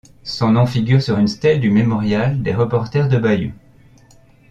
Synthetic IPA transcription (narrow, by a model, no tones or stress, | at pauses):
sɔ̃nɔ̃fiɡʲyʁsyʁynst̪ɛld̪ymemɔʁjald̪eʁəpɔʁt̪ɛʁd̪əbajṵ